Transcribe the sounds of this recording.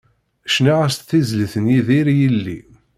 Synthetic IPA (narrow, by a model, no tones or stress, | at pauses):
ʃniʁəst̪θizləθənjiðiɾjəlːḭ